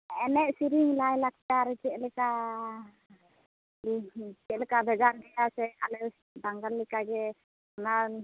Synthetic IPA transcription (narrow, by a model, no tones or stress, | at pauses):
ɛnɛʔ̚siɾiŋlajlak̚t͡ʃaɾt͡ʃɛʔlɛka | t͡ʃɛʔlɛkabʱɛɡaɾɡɛjasɛalɛ | baŋɡallɛkaɡɛ | ɔna